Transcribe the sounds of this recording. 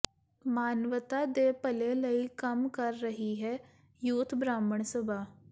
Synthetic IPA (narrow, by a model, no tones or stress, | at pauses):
maːnʋət̪aːd̪eːpəleːləiːkəmkəɾːəɦiɦɛː | juːt̪ʰbɾaːməɳsəbaː